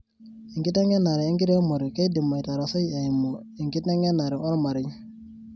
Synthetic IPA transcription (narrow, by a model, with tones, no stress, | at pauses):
i˨ŋɡi˦ta˦ŋe˦na˨ɾi˨i˦ŋɡi˦ɾe˦mo˨ɾi˨ke˦di˨mːa˨jta˨ɾa˨sɔ˦ja˨i˨mo˨ | i˨ŋɡi˦ta˦ŋe˦na˨ɾi˨ɔ˦ɾma˨ɾi˦